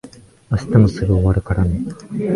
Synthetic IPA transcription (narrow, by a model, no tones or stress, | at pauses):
aɕi̥t̪amosɨɡɯoβaɾɯ̟kaɾano